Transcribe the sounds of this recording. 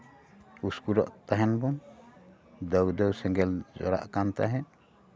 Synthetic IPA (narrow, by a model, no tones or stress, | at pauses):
uskuɾɔ̰ʔt̪aɦɛnbɔn | d̪əwd̪ɔwsɛŋɡɛld͡ʒɔ̰ɾa̰ʔkant̪aɦɛ